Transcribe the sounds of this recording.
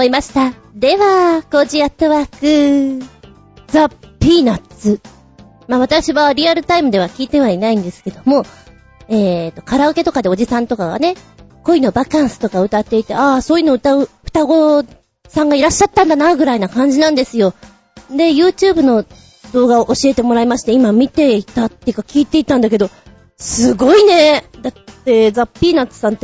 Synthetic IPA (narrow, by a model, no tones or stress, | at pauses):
oimaɕi̥t̪a | d̪e̞βako̞d͡ʑiat̪ːo̞βakɯ̟ | zapʲiːnat͡sɨ | maːβ̞at̪akɯɕiβaɾʲiaɾɯ̟t̪aimɯ̟d̪e̞βakʲiːt̪e̞βainaĩnd̪e̞sɨ̥ke̞d̪o̞mo̞ | eːt̪ːo̞kaɾaoke̞t̪o̞kad̪e̞o̞d͡ʑisãnt̪o̞kaɡa̰ne | ko̞ino̞bakãɰ̃sɨ̥t̪o̞kaɯ̟t̪at̪ːe̞it̪e̞aso̞ːjɯ̟noɯ̟t̪aɯ̟ɯ̟̥t̪aɡo̞ | sãŋɡaiɾaɕːat̪ːãnd̪anaɡɯ̟ɾainakãɲ̟d͡ʑinãnd̪e̞sɨjo̞ | d̪e̞jɯ̟ːt͡ɕɨːbɯ̟no̞ | d̪o̞ːɡaoʔoɕie̞t̪e̞mo̞ɾaimaɕi̥t̪e̞imamʲit̪e̞it̪at̪ːejɯ̟kakʲiːt̪e̞it̪ãnd̪ak̬e̞d̪o̞ | sɨɡo̞ine̞d̪at̪ːe̞zapʲːiːnat͡sɨ̥sãnt̪ːe